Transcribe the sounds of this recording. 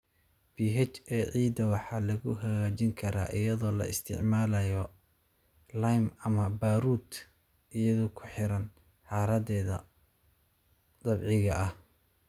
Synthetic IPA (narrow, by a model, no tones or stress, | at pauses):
b̥iːɦɛt͡ʃɛːʕiːd̪ɐwɑħɑːlɐɣʊɦɐɣaːt͡ʃɪŋkʰɐɾa̰ːʔɪjɐðɔːlɐ̰ɪ̰st̪ʰɪ̰ʕmaːlɐjɔ | lɐjmɐmɐbaːɾuːd̪ | ʔɪjɐðʊkʰʊ̥ħɪɾɐn | ħɑːɾɐdɛːðɐ | d̪ɐbʕɪɣɐʔɐh